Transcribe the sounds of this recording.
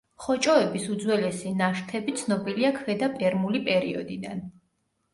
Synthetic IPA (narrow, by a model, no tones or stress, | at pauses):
χɔt͡ʃʼɔɛbisud̪zwɛlɛsinaʃt̪ʰɛbit̪sʰnɔbiliakʰvɛd̪apʼɛɾmulipʼɛɾiɔd̪id̪an